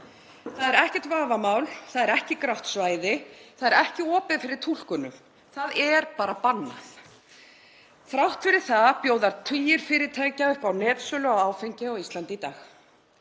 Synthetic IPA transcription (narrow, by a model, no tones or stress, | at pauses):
θaðɛɾɛhcɛ̥t̪vaːvamaːwlθaðɛɾɛhcɪkɾawht̪svaːjðɪθaðɛɾɛhcɪɔːpɪðfɪɾɪɾ̥t̪ʰul̥kʏnʏ̰ | θaðɛɾpaːɾapanːa̰θ | θɾawht̪fɪɾɪɾ̥θaðpjoːwðaɾt̪ʰiːjɪɾ̥fɪːɾɪt̪ʰajcaʏhpawnɛːt̪sœːlʏawaːwfejɲcɪɔɣist̪lant̪ɪit̪aːx